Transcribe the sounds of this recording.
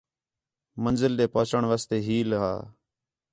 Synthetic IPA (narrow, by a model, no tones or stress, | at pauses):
mənzɪlɗ̪eːpəːt͡ʃəɳʋaːst̪eːɦiːlɦa̰ː